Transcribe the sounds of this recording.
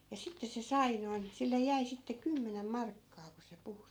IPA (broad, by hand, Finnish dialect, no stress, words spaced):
jɑ sitːes̆ se sɑi noin silːej̆ jæi sitːe kymːenem mɑrkːɑː ku se puhu